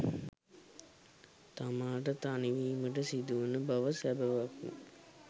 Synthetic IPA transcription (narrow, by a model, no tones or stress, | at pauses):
t̪amaːʈ̬ət̪aniʋiːməʈəsid̪uʋunəbaʋɐsæbɐʋakṵ